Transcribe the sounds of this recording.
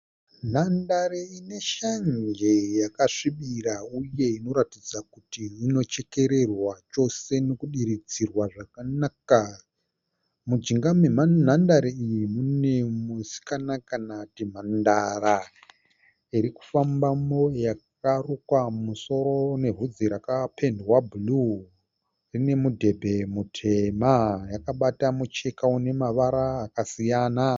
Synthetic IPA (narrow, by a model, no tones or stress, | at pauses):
n̤andaɾeine̞ʃaɲd͡ʒe̞jakaʂiɓirauje̞ino̞ɾatid͡zakutiːno̞t͡ʃe̞ke̞ɾe̞rwat͡ʃo̞se̞no̞kuɗiɾid͡zirwaʐakanaka | mud͡ʒiŋɡamwe̞man̤andaɾeijimune̞musi̥kanakanatim̤andara | iɾiku̥fambamo̞jak̚arukwamuso̞ɾo̞ne̞ɦud͡ziɾakapʰe̞ndwabulu | rine̞mudʱe̞bʱe̞mutʰe̞majakaɓatamut͡ʃekaune̞maʋaɾaːkasijana